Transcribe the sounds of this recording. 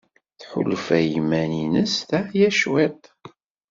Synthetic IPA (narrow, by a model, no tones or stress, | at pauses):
θħʊ̰lfæjəmæninəsθæjæʃwɛt̪ˤ